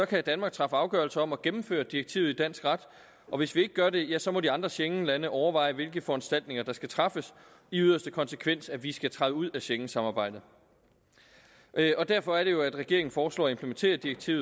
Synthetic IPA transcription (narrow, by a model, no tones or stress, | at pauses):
sɒ̽kʰæd̥ænmɑ̈ɡ̥̚t͡sʰʁɑ̈fəɑ̈ʊɡ̥ɶɐlsəɒ̽mɒ̽ɡ̥em̩fø̰ːɐd̥iɐɡ̥̚t͡sʰḭʊð̩ˠid̥æn̰sɡ̥ʁɑ̈d̥ | ʔɒ̽ʋe̝sʋie̝ɡ̥əːɡ̥ɶɐde̝jæsɒ̽mɒ̽ɾiɑ̈nd̥ʁɐɕeŋlænəʔɒʊɐʋɑ̈ɪ̰ʋe̝lɡ̥əfɒ̽ænsd̥æl̰d̥ne̝ŋɐd̥ɑ̈sɡ̥æt͡sʰʁɑ̈fəs | iyðˠɐsd̥əkʰɒ̽nsəkʰʋen̰sæʋisɡ̥æt͡sʰʁɑðəuð̞̰ˠæɕeŋn̩sɑ̈mɑ̈ːb̥ɑ̈ɪ̰d̥ð̩ˠ | ʔɒ̽d̥æɐ̰fɒ̽æɐɾ̥e̝jo̝æd̥ʁɛɡ̥e̝ɐe̝ŋn̩fɒːslɔ̰ːɒempʰləment͡sʰe̝̰ːɐd̥ieɡ̥̚t͡sʰḭːʊð̩ˠ